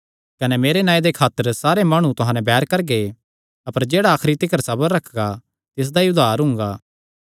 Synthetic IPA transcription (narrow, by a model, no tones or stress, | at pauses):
kɐnɛmeːɾenãːĩd̪ekʰaːt̪ːəɾsaːɾemɐɽ̃ũt̪ʊɦãːnɛ̃bɛːɾkɐɾɡe | ɐpəɾd͡ʒeːɽaːkʰɾit̪ɪkəɾsɐbəɾːɐkʰɡa | t̪ɪs̬d̪aiʊd̪ʱaːɾɦʊ̃ŋ̆ɡaː